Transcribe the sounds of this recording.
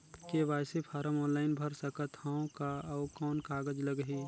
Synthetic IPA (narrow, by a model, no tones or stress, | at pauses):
keʋaːjsipʰaːɾəmɔːnlaːɪnbʱəɾsəkət̪haõkaɔːkɔːnkaːɡəd͡ʒləɡɦiː